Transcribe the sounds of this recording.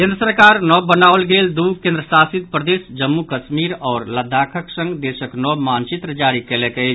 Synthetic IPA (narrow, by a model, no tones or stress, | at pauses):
kẽnd̪ɾəsəɾkaɾnɔbːənaəlɡeld̪ukẽnd̪ɾəsasid̪̚pɾəd̪esd͡ʒəmːukəʃmiɾɔːɾləd̪ʱakʰəksə̃ŋɡd̪esəknɔbmant͡ʃit̪ɾəd͡ʒaɾikelekəɪt͡ʃʰ